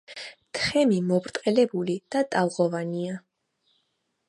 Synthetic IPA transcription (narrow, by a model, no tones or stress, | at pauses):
t̪ʰχɛmimɔbɾt̪ʼqʼɛlɛbulid̪̥at̪ʼalˠʁɔvania